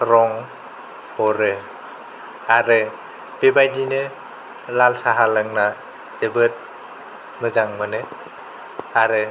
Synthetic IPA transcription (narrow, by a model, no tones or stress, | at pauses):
ɾɔŋ | hɔɾɯ | aɾɯ | b̥ebajdinɯ | lalsaɦalɯŋna | z̥ebɯt̚ | mɯzaŋmɯnɯ | aɾɯ